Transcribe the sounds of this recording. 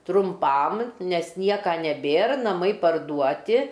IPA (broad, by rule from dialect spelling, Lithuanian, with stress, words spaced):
trʊmˈpɐm ˈnʲɛs ˈnʲiɛkɐ nʲɛˈbʲeːr nɐˈmɐɪ pɐrˈduɔtʲɪ